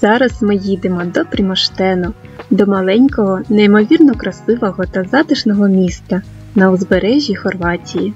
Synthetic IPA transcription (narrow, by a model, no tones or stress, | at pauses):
z̥ɑɾɐsmɪjid̪emɔd̪ɔpɾʲimɔʃt̪ɛnʊ | d̪ɔmɐlˠɛnʲkɔɦɔneimɔʋʲirnɔkɾɐsɪʋɔɦɔt̪ɐzɑd̪ɪʃnɔɦɔmʲist̪ɐ | nɐwzbeɾɛʒʲixɔrʋɑtʲiji